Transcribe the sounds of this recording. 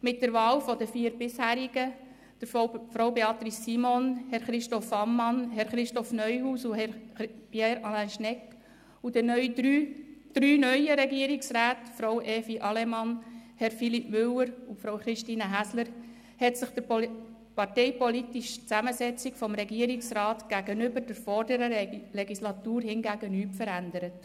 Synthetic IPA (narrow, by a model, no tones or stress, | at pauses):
mɪt̚d̥əɾʋɑːlfɔd̪əfiːəɾbɪshæːɾiɡ̥ə | d̥əɾfɾowbeɑt̪ɾisːimɔnhɛɾχɾɪʃtɔfɑmːɑnɦɛɾχɾɪʃtɔfnœʏhuːsuɦɛpjeːɾɑlænʃnɛk | ud̥ənœʏdɾyːd̥ɾyːnœjəɾɛɡiəɾɪksɾæːtfɾowʔɛːfiʔɑlɛmɑnhɛɾfilipmʏləɾufɾowχɾɪʃtiːnəɦæsləɾ | hɛtsɪχd̥əp | pɑrteɪpɔlitiʃt͡sæməsɛt͡sikfɔmɾɛɡiəɾiksɾɑːtɡ̥æɡənʏbəɾd̥əɾfɔɾdəɾəlɛɡislɑtuːɾhɪnɡæːɡənyːpfəɾænd̪əɾət